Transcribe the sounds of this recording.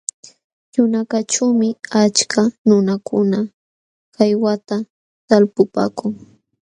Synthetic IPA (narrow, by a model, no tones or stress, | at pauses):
jʊnakaʈ͡ʂawmɪat͡ʃkʰanʊnakʰʊna | kajwat̪a | t̪alpʊpa̰ːkʊŋ